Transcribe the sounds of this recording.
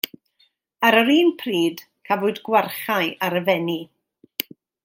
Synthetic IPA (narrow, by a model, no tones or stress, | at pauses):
aɾəɾiːnpʰriːd | kʰavʊɨdɡwarχajʔaɾəvɛni